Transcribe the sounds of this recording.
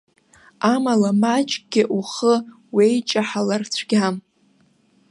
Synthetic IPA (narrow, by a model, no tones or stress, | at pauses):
amalamat͡ʃʼɡ̥ʲɪʔuχə | wejt͡ʃʼaħalart͡ɕʷʰɡ̥ʲam